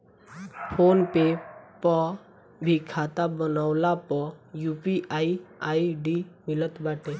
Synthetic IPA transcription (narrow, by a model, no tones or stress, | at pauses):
pʰoːnpepɔ | bʱikʰaːt̪abənawlapɔjupiʔaiaːiɖimɪlət̪baːʈe